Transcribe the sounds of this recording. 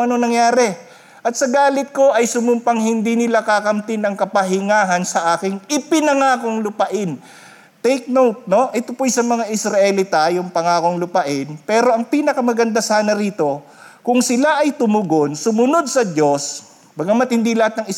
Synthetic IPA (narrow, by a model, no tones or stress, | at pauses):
ɐnonɐŋjaːɾɛ | ʔɐt̪̚sɐɡaːlɪt̪̚ko̞ʔɐjsʊmʊmpɐŋhɪnd̪inɪlakakɐmt̪ɪnɐŋkɐpɐɦɪŋaːɦɐnsɐʔaːkɪŋɪpɪnɐŋaːkoŋlʊpɐʔɪn | t̪ɛjk̚nowt̪̚noʔɛt̪opojsɐmɐŋaʔɪsɾɐʔɛlɪt̪ajʊŋpɐŋaːkoŋlʊpɐʔɪnpɛːɾo̞ɐŋpiːnɐkɐmɐɡɐnd̪asaːnɐɾiːt̪o̞ | kʊŋsɪlaʔɐjt̪ʊmʊɡonsʊmʊno̞d̪̚sɐd͡ʒo̞s | bɐɡamɐt̪̚hɪnd̪ilɐhat̪nɐŋɪ